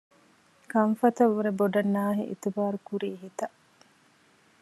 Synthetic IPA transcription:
kɐɱfɐt̪ɐʋːuɾeboɖɐnːaːɦḭʔḭt̪ubaːɾukuɾiːɦit̪ɐ

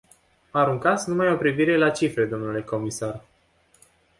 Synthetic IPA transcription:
aɾuŋkat̪snumajo̞pɾiviɾe̞lat͡ʃifɾe̞d̪o̞mnule̞ko̞misar

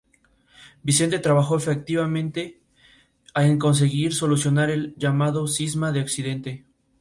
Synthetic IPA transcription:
bise̞nt̪e̞t̪ɾaβaxo̞efek̚t̪iβamẽ̞nt̪e̞ | aeŋko̞ns̬e̞ɣiɾso̞lusjo̞naɾe̞lʝamaðo̞sizmaðeoksiðe̞nt̪e̞

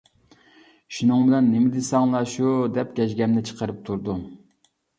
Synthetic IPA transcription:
ʃunɨŋbɪlɛnːɪmɪd̪ɪsɑŋlˠɑʃud̪ɛp̚ɡʲɛʃɡʲɛmnɪt͡ʃʰə̥qʰəɾɨp̚t̪ʰuɾd̪u

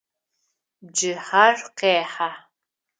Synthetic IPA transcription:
d͡ʒɨħarqeːħa

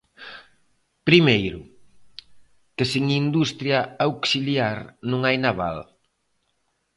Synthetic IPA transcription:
pɾimejɾʊ | kɪsiŋind̪ust̪ɾjaawksiljaɾnũŋajnaβa̰l

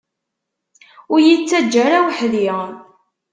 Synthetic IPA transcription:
ʊɾjət͡sːæd͡ʒːæɾawħði

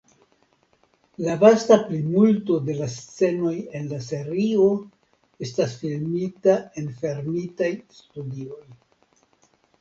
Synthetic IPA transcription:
lavastaplimulto̞de̞last͡se̞no̞je̞nlas̬e̞ɾio̞ | e̞stasfilmitae̞nfe̞ɾmitajstudio̞j

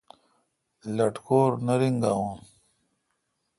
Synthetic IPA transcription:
lɐʈkoːɾnɐɾiŋɡaõːn

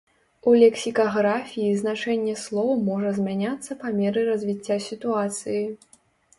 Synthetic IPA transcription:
ulʲɛksʲikɐɣɾafʲijiznat͡ʂɛnʲːɛslˠɔwmɔʐɐzʲmʲanʲat̪sːɐpamʲɛɾɨɾɐzʲvʲit͡sʲːasʲit̪uat̪sɨji

